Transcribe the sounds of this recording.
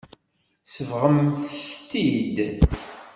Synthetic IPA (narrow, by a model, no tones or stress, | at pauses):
səvʁəmθt̪id̪